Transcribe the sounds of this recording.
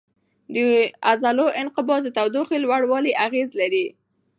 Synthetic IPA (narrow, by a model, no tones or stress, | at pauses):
d̪əazaloʔɪnqɪbɑsd̪ət̪awd̪oxelwaɽwɑliʔaɣezlaɾi